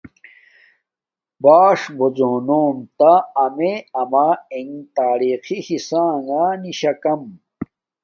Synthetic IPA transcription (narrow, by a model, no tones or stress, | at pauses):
baːʂbod͡ʑoːnoːmt̪aːmeɐmaeŋt̪aːɾixihisaːŋaniɕɐkɐm